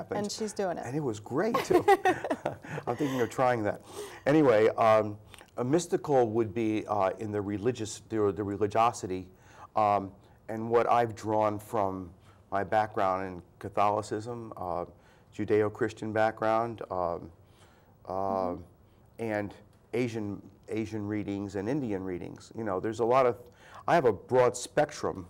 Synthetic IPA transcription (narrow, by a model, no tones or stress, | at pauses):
pɨ̃nʃizdʉɪ̃ŋɪ̰ɨ̃nɨt̚wʌzɡɹeɪtʰ | ãɪ̃mθɪ̃ŋkɪ̃ŋʌv̥tʰɹ̥aɪɪ̃ŋðæt̚ɛɾ̃iweɪ | əmɪstɨkl̩ˠwəd̚biɪ̃nðɨɹɨlɪd͡ʒɨsðəðɨɹɨlɪd͡ʒɑsɨɾi | ɨ̃nwʌɾʔa̰ɪvdɹɔ̃nfɹʌ̃mː | aɪbæk̚ɡ̥ɹãʊ̃ndɨ̃nkʰɨθɑlˠəsɪzə̃m | d͡ʒʉdeɪoʊkʰɹ̥ɪst͡ʃɨ̃nbæk̚ɡ̥ɹãʊ̃nd | ɨ̃n | eɪʒɨ̃neɪʒɨ̃nɹiɾɪ̃ŋzɨ̃nɪ̃ndiɨ̃nɹiɾɪ̰̃ŋz̥jɨnoʊðə˞zəlɔɾʌv̥aɪɨvəbɹɔd̥spɛk̚tɹ̥ə̰̃m